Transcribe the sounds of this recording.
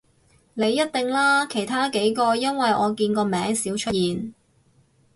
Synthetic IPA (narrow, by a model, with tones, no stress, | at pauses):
ne˨˧jːɐ˥t̚t̪ɪ˨ŋlaː˥kʰe˨˩jt̪ʰaː˥ke˨˥jkɔː˧jɐ˥nwɐ˨jʔɔː˨˧kiː˧nkɔː˧mɛː˨˥ŋsiː˨˥wt͡ʃʰɵ˥jiː˨n